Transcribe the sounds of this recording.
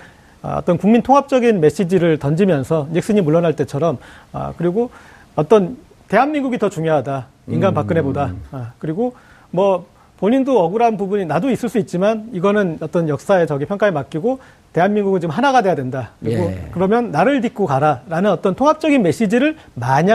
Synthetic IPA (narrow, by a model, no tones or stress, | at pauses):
ʌ̰t͈ʌnkuŋmintʰoŋɦap̚t͡ɕ͈ʌɡinme̞ɕ͈id͡ʑiɾɯɭtʌnd͡ʑimjʌnsʰʌnek̚s͈ɯɲimuɭːʌnɦaɭt͈e̞t͡ɕʰʌɾʌmʌ̰kɯɾiɡo | ʌt͈ʌn | te̞ɦanmiŋɡuɡitʌt͡ɕuŋjoɦada | inɡanpak͈̚ɯnɦe̞bodakɯɾiɡo | mwʌ | poɲindoʌɡuɾanpubuɲinadois͈ɯɭs͈uit̚t͡ɕ͈imaniɡʌnɯnʌt͈ʌnjʌk̚s͈ae̞t͡ɕʌɡipʰjʌŋk͈aemak͈̚iɡo | te̞ɦanmːiŋɡuɡɯnt͡ɕiɡɯmɦanaɡadejadwendakɯɾiɡokɯɾʌmjʌnːaɾɯɭtik͈okaɾaɾanɯnʌt͈ʌntʰoŋɦap̚t͡ɕ͈ʌɡinme̞ɕ͈id͡ʑiɾɯɭmaɲa